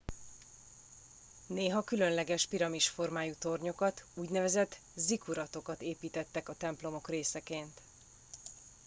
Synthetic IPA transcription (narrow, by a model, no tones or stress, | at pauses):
neːɦɒkylø̞nlɛɡɛʃpiɾɒmiʃfo̞rmaːjuːt̪o̞rɲo̞kɒt̪uːɟnɛvɛzɛt̪ | zikuɾɒt̪o̞kɒt̪eːpiːt̪ɛt̪ːɛkɒt̪ɛmplo̞mo̞kreːsɛkeːnt̪